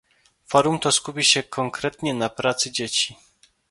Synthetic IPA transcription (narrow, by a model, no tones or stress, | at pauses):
fɔɾumt̪ɔskupʲiɕɛkʰɔŋkɾɛt̪ɲɛnapɾat̪sɘd͡ʑet͡ɕi̥